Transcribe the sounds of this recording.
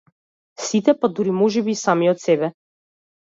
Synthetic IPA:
sit̪ɛpad̪uɾimɔʒɛbiːsamiɔt̪sɛbɛ

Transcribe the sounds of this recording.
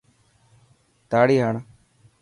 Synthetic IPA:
t̪aːɽiːɦəɳ

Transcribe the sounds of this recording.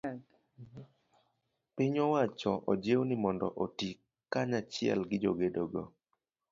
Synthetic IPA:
pɪɲɔwat͡ʃɔʔɔd͡ʒewnɪmɔndɔ̰ʔotikː | aɲat͡ʃɪɛ̰lɡɪd͡ʒoɡedoɡo

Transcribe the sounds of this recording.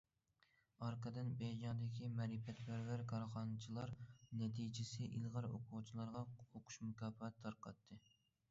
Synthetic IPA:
ɑɾqʰɑd̪ɨnbed͡ʒʲɑːd̪ɪkʲʰimɛɾifɛt̪bæɾwæɾkʰɑɾχɑnɨt͡ʃʰilˠɑɾnɛt̪ʰid͡ʒɪsɪʔilˠʁɑɾo̰qʰuwt͡ʃʰilˠɑɾʁɑoqʰʊ̥ʃmukʰʲɑːfɑt̪ʰːɑɾqʰɑt̪ʰːɨ

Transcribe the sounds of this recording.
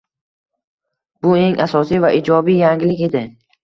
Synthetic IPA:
b̥ʊe̞ŋʔasɒsijvaʔid͡ʒɒbijaŋɪlɪkʲe̞d̪ɪ

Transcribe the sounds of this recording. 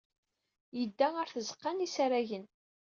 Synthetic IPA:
jəd̪ːæəɾθəzə̥qːanisaɾæʝən

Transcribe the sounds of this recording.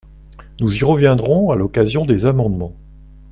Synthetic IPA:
nuziʁəvjɛ̃d̪ʁɔ̃alɔkazjɔ̃d̪ezamɑ̃d̪mɑ̃

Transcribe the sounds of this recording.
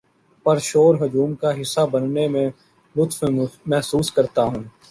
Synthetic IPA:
pɐɾʃoːɾɦʊd͡ʒuːmkaɦɪsːabənnemẽ | lʊt̪fmɛɦsuːskəɾt̪aɦũː

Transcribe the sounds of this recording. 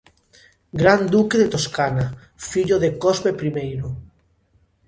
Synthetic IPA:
ɡɾand̪ukeðet̪oskana | fiʎoðekozβepɾimejɾo

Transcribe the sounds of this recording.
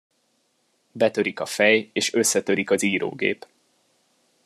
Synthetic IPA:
bɛt̪ø̞ɾikɒfɛjeːʃø̞sːɛt̪ø̞ɾikɒziːɾo̰ːɡḛːp

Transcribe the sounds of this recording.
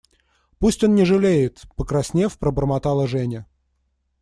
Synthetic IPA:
pusʲtʲo̞nnʲɪʐɨlʲejɪt̪pəkɾɐsʲnʲefpɾəbərmɐt̪ɑlˠəʐɛnʲɪ

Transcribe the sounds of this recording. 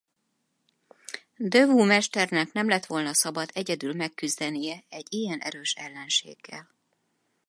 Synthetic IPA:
d̪øvuːmɛʃt̪ɛrnɛkn̪ɛmlɛt̪ʋo̞lnɒsɒbɒd̪ɛɟɛd̪ylmɛkːyzd̪ɛnijɛɛɟːijɛnʔɛ̰ɾøːʃɛlːɛnʃḛːɡ̥ːɛl

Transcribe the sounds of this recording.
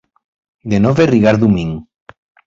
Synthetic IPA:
d̪enoβeriɣaɾðumiŋ

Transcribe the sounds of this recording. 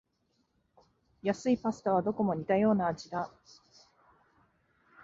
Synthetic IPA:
jasɨipasɨ̥t̪aβ̞ad̪o̞ko̞mo̞ɲ̟it̪ajo̞ːnaːd͡ʑid̪a

